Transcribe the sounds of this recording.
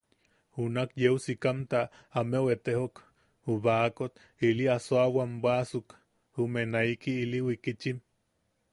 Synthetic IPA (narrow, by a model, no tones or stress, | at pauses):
unakjewsikamt̪a | ameoet̪eɦok | uβakot̪ | iliasoawambasuk | humenaikiiliwikit͡ʃim